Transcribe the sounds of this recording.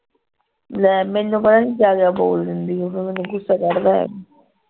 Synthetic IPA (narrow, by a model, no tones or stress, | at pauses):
lɛːmɛ̃ːnːũːpət̪aniːd͡ʒaːɡaboːld̪ɪnd̪iːoːkemɛːnũːɡʊsːaːkəɾd̪aːɦɛ̰ː